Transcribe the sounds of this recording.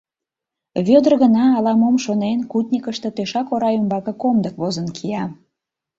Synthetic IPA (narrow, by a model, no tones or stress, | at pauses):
βød̪ərɣənɑːlɑmomʃonenkut̪ʲnʲikəʃt̪e̽t̪eʃɑkoɾɑjumbɑkɤ̆komd̪əkβozənkʰijɑ